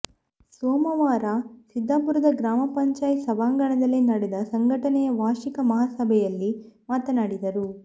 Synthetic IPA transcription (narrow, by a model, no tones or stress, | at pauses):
soːmɐʋaːɾasid̪ʱːaːpuɾud̪ɐɡɾaːmɐpɐɲt͡ʃaːjsɐbaːŋɡɐɳɐd̪ɐlːinɐɽɛd̪ɐsɐŋɡʱɐʈɐnɛjɐʋaːʃikɐmɐɦaːsɐbʱɛjɐlːi | maːt̪ɐnaːɽid̪ɐɾu